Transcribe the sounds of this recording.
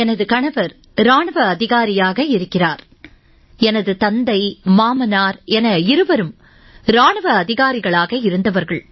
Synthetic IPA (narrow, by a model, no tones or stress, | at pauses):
ɛnɐðɯkɐɳɐʋɐɾ | ɾaːɳɯʋɐːðɪɣaːɾɪjaːɣɐɪɾɯkːɪraːɾ | ɛnɐðɯt̪ɐnd̪ɐɪmaːmɐnaːɾɛnɐɪɾɯʋɐɾɯm | ɾaːɳɯʋɐɐðɪɣaːɾɪɣɐɭaːɣɐɪɾɯnd̪ɐʋɐɾɣɐɭ